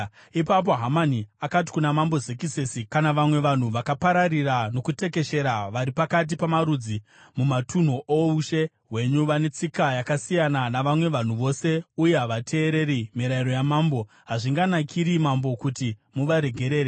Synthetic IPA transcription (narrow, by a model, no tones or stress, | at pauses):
ipap̬o̞ɦamaniakat̬i̥kunamambo̞zekisesikanaʋamwe̞ʋan̤uʋakapaɾarirano̞kute̞ke̞ʃe̞ɾaʋaɾipakat̬ipamaɾud͡zi | mumatʰun̤uʔouʃe̞ | ɦwe̞ɲuʋane̞t͡sikajakasijananaʋamwe̞ʋan̤uʋo̞se̞ujeɦaʋatʰe̞ːɾe̞ɾimiɾaiɾo̞jamaːmbo̞ | ɦaʐiŋɡanakʰiɾimambo̞kutimuʋaɾe̞ɡʱe̞ɾe̞ːɾe